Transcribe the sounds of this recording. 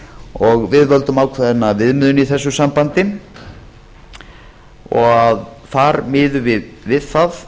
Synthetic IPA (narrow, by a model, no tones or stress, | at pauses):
ɔɣvɪðvœlt̪ʏmaːwkʰvɛðɪnːavɪðmʏðʏniθɛsːʏsampant̪ɪ | ɔɣaðθaɾmɪːðʏvɪðvɪðθað